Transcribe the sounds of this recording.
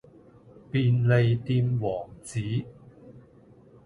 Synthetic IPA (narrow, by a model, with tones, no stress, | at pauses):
piː˧nle˨˧jt̪iː˧mwɔː˨˩ŋt͡siː˨˥